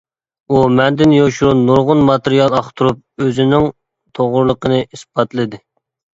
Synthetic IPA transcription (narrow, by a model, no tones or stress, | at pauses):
umɛnd̪ɪnjoʃuɾunːuɾʁʊnmɑt̪ɪɾijɑlˠɑχt̪ʰuɾup̚øzɪnɪŋ | t̪ʰoʁʊɾlˠəqʰənɨisb̥ɑt̪lˠɨd̪ɪ